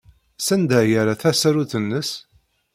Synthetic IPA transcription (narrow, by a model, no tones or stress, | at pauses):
sænd̪æjæɾaθæsɾuθənːəs